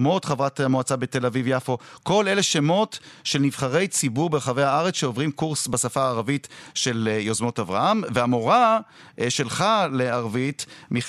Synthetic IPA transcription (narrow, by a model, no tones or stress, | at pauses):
mo̞t̪χavʁat̪moat͡sabet̪e̞lavivjafo̞ko̞le̞le̞ʃemo̞tʃe̞lniv̥χaʁe̞jt͡sibuʁbeχavejhaaʁet͡sʃeovʁimkuʁsbasafaːʁavitʃe̞ljozmo̞tavʁa̰hamveamo̞ʁa | ʃe̞lχaleaʁvitmi